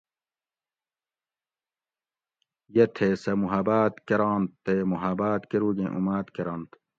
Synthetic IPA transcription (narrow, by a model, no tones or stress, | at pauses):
jet̪ʰesɐmuɦɐbaːt̪keɾaːnt̪ːemuɦɐbaːt̪keɾuːɡẽʔumaːt̪keɾɐnt̪